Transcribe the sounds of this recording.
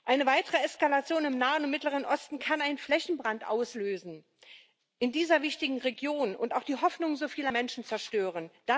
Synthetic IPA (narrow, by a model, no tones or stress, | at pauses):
ʔaɪnəvaɪtəʁəɛskalat͡sjoːnɪmnaːənʊntmɪtləʁ̞ənʔɔstn̩kʰanaɪnnflɛçn̩bʁantʔaʊsløːzn̩ | ʔɪndiːzɐvɪçtɪɡŋ̩ʁeɡjoːnʊntaʊxd̥iːɦɔfnʊŋzoːfiːlɐmɛnʃn̩t͡sɛɐʃtøːʁənd̥a